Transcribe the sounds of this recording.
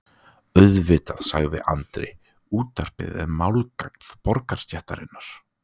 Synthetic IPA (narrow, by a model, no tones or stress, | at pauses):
œðvɪːt̪aðsaɣðɪ̰ʔa̰nt̪ɾɪ | uːt̪aɾ̥pɪ̰ːðɪ̰ðmaːwlkak̪θpɔɾkaɾ̥st̪jɛht̪aɾɪnːaɾ̥